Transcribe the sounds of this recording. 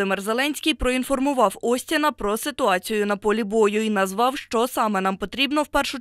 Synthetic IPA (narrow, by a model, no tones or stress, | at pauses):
ɪmɛrzelˠɛnʲsʲkʲɪjpɾɔinfɔrmʊʋɑwɔsʲtʲɪnɐpɾɔsɪt̪ʊɑt͡sʲijʊnɐpɔlʲibɔjʊinɐzʋɑwʃt͡ʃɔsɑmɛnɑmpɔt̪ɾʲibnɔwpɛrʃʊ